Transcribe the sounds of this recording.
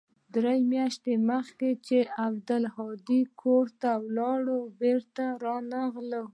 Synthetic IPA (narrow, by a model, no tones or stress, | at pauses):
d̪ɾajmjɑʃt̪eməxket͡ʃeʔabd̪əlhɑd̪ikʰoɾt̪awlɑɽobeɾt̪aɾɑnaɣlə